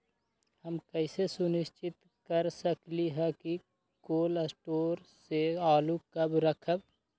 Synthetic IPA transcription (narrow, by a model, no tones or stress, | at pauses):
həmkəɪsesʊnɪʃt͡ʃɪt̪ | kəɾsəkliɦɛki | koːləsʈoːɾseaːlukəbɾəkʰəb̚